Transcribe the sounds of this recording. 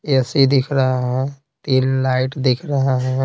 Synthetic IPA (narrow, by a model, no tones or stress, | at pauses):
ɛsid̪ɪkʰɾəɦaɦɛ̃ | t̪iːnlaːɪʈd̪ɪkʰɾəɦaɦɛ̃